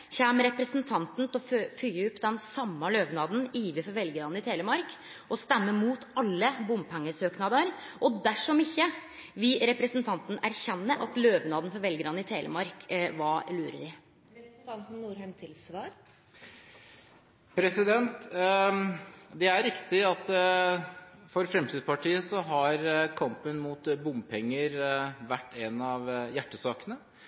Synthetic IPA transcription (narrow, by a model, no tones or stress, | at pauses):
çæmɾɛpɾəsənt̪ʰɑnt̪n̩t̪ʰlɔfyːʊpːd̪ɛnsɑmːəløːʋnɑːd̪n̩iːʋəfɔɾʋɛlɡəɾɑnɪt̪ʰeːləmɑɾk | ʔɔst̪ɛmːəmuːt̪ʰɑlːəbʊmpʰæŋːəsøːknɑd̪əɾʔɔd̪æʂɔmɪçːə | ʋɪlɾɛpɾəsnt̪ʰɑnt̪n̩æɾçɛnːəʔɑt̪løːʋnɑːd̪n̩fɔɾʋɛlɡəɾɑd̪nɪt̪ʰeːlə̰mɑɾkʋɑːlʉːɾə̰ɾɪ | t̪ɑnt̪n̩nuːɾhɛmt̪ʰɪlsʋɑːɾ | pʰɾɛsɪd̪ɛnt̪ | d̪ɛæɾɾɪkt̪ɪɑt̪ | fɔɾfɾɛmt̪ʰiːd̪pɑʈʰiːəsɔɦɑɾkʰɑmpənmuːt̪bʊmpʰɛŋːəɾʋæʈːɛnɑʋjæʈːəsɑːkənə